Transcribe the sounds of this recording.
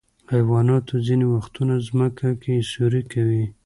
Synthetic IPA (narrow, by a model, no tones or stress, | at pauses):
ajwɑnɑt̪ozinewaxt̪unazməkʰakesuɾikawi